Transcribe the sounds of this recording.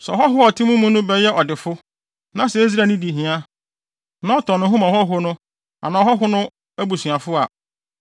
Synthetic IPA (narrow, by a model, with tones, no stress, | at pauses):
sɛ˨ɔ˨ɦɔ˦ɦʊ˦ɔ˨tʰɪ˦mũ˦mũ˦nʊ̃˦bɛ˦jɛ˦ʔɔ˨dɪ˨fʊ˦ | nã˦sɛ˨e˦zi˦ɾa˨nĩ˦di˨ɦĩ˨˦a˦ | nã˦ɔ˦tʰɔ̃˨nʊ̃˦ɦʊ̃˦mã˨hɔ˦ɦʊ˦nʊ̃˦ | a̰˨nã˨ɦɔ˦ɦʊ˦nʊ̃˦ | æ˦bu˨su˨a˨fʊ˦a˨